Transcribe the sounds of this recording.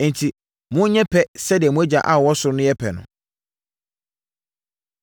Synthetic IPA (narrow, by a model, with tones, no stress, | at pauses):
n̩˨tʰi˨ | mʊ̃˦ɲɛ̃˦pʰɛ˦sɛ˦dɪ˨ɛ˨mũ˦æ˦d͡ʑa˨ʔa˦˨wɔ˦sʊ˨ɾʊ˦nʊ̃˦jɛ˦pʰɛ˨nʊ̰̃˨